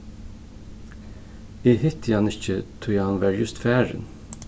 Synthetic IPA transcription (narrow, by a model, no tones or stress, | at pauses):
eːhɪt̪ʰəjɑnɪçət̪ʰʊːjɛhɑnʋæːɹjʉst̪fæːɹə̰n